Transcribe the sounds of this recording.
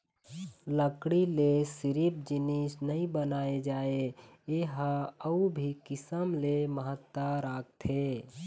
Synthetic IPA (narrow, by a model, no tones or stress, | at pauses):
ləkɽilesɪɾip̚d͡ʒɪnisnəɦĩbənaːed͡ʒaːe | eɦaəubʱikɪsəmleməɦət̪ːaɾaːk̚t̪ʰe